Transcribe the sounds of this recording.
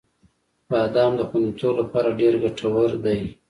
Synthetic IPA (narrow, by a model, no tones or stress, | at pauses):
bɑd̪ɑmd̪əxanet̪ʰolapɑɾaɖeɾɡaʈʰawəɾd̪aj